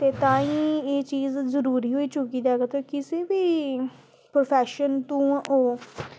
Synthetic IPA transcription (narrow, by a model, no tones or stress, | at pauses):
t̪eːt̪ãːĩːeːt͡ʃiːzzəɾuːɾiːɦoːiːt͡ʃʊkiːd̪aɦɛːɡat̪ʰoːkɪseːbiː | pɾoːpʰɛːʃənt̪ũːoː